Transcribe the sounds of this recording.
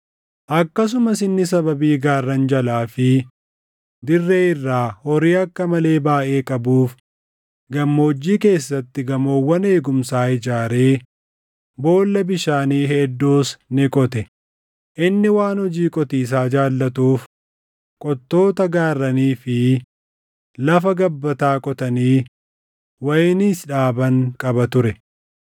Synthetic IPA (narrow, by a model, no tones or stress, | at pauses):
ʔɐkːɐs̬ʊmɐsɪnːɪsɐbɐbiːɡaːrːɐnd͡ʒɐlaːfɪ | d̪ɪrːeːɪrːaːhɔɾiːɐkːɐmɐle̞ːbaːʔe̞ːkʼɐbuːf | ɡɐmːoːd͡ʒːiːke̞ːsːɐt̪ːɪɡɐmoːwːɐne̞ːɡʊmsaːɪd͡ʒaːɾe̞ː | bo̞ːlːɐbɪʃaːniːɦɛd̪ːo̞ːsnɪkʼɔt̪ɛ | ʔɪnːɪwaːnhɔd͡ʒiːkʼɔt̪iːs̬aːd͡ʒaːlːɐt̪uːf | kʼɔt̪ːo̞ːt̪ɐɡaːrːɐniːfɪ | lɐfɐɡɐbːɐt̪aːkʼɔt̪ɐniː | wɐjniːsᶑaːbɐŋkʼɐbɐt̪ʊɾɛ